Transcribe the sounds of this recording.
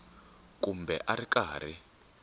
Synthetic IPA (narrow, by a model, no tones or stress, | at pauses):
kumbɛʔarikaːr̤i